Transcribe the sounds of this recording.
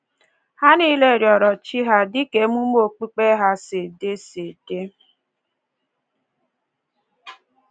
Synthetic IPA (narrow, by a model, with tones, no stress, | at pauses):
ha˦ni˦le˨ɾjɔ˨ɾɔ˨t͡ʃi˦ɦa˦dɪ˦ke˨˦mu˦m˦o˨k͡pi˦k͡pe˦ɦa˦se˨de˦se˨d̥e˦